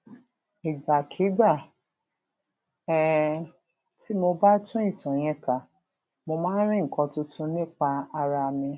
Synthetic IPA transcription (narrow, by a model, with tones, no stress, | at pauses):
i˨ɡ͡ba˨kʰi˨˦ɡ͡ba˦˨ | ɛ˨ | ti˨˦mo˧ba˦tũ˦i˦˨tɔ̃˨j̃ɛ̃˨˧ka˨ | mo˧mãː˦n̩˦ɾ̃ĩ˦ŋ̩˨kɔ̃˧tu˧tũ˧nĩ˦k͡pa˧a˧ɾa˧mĩ˧